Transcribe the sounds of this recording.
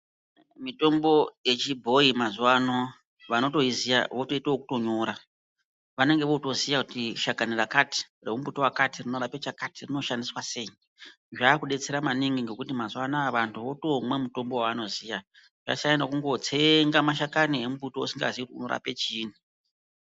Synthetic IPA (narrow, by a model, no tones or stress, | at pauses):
mito̞mbo̞je̞t͡ʃibʱo̞imazuwano | ʋano̞to̞izija̰ʋoto̞itooku̥to̞ɲo̞ɾa | ʋane̞ŋɡe̞ʋo̞to̞zijakutiʃakanirakati̥ | remubutowakatirino̞ɾape̞t͡ʃakatirino̞ʃandiswase̞ji | ʐaːkuɗe̞t͡se̞ɾamaniŋɡiŋɡe̞kutimazuwanaːʋantʰuʋo̞to̞mwe̞muto̞mbowaano̞zija | ʐa̰t͡ʃainakuŋɡo̞t͡seŋɡamaʃ̬akaniemubuto̞osiŋɡa̰zikutuno̞ɾa̰pe̞t͡ʃiːn̤i